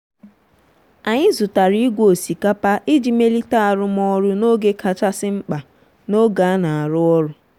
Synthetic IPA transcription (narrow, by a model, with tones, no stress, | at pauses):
a˨ɲɪ˦zʊ˨ta˨ɾi˦i˦ɡʷo˨si˨ka˦pa˦ʔɪ˦d͡ʒi˨me˦li˦ta˦a˨ɾʊ˦mɔ˦ɾʊ˦no˦ɡe˦kʰa˨t͡ʃa˦sɪ˦ŋ͡m̩˦k͡pa˨ | no˦ɡa˨˦na˨a˨ɾʊ˦ɔ˦ɾʊ˦